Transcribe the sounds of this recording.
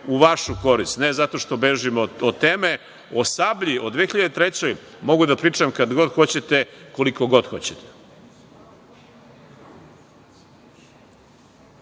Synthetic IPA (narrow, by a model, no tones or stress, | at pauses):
uʋaʃuko̞ɾist̪nezat̪o̞ʃt̪o̞beʒimoot̪eːme | osabʎio̞d̪ʋexiʎad̪et̪ɾet͡ɕo̞j | mo̞ɡud̪apɾiːt͡ʂamkad̪ɡo̞d̪xo̞t͡ɕet̪eko̞liko̞ɡo̞d̪xo̞̰t͡ɕet̪e̥